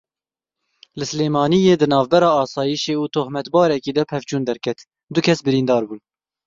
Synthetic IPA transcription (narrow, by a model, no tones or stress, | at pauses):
lɨsɨleːmɑːnijeːd̪ɨnɑːvbɛɾɑːɑːsɑːjiʃeːuːt̪ʰoːhmɛt̪bɑːɾɛkiːd̪ɛpʰɛvt͡ʃuːnd̪ɛɾkʰɛt̪ | d̪ʊkʲʰɛsbɨɾiːnd̪ɑːɾbuːn